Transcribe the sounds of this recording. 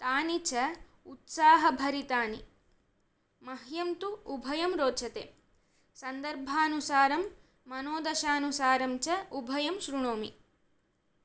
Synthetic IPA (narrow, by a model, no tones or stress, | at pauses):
t̪aːnit͡ʃɐut̪saːɦɐbʱɐɾit̪aːni | mɐɦjɐmt̪uubʱɐjɐmɾoːt͡ʃʰɐt̪ḛː | sɐnd̪ɐɾbʱaːnusaːɾɐmː | ɐnoːd̪ɐʃaːnusaːɾɐmt͡ʃɐubʱɐjɐmʃɾuɳoːmḭ